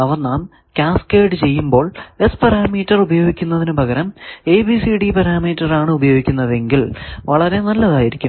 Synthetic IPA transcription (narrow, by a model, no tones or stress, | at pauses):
ɐʋɐrnaːm | kʲaːskeːɖɨt͡ɕe̞jːumbo̞ːɭe̞spɐɾaːmiːtːɐrubɐjo̞ːɡikʲːunːɐðinɨbʱɐɣɐɾɐme̞ːbisiɽipɐɾaːmiːtːɐraːɳɨubɐjo̞ːɡikʲːunːɐðe̞ŋɡilʋɐɭɐɾe̞nɐlːɐðaːjiɾikʲːum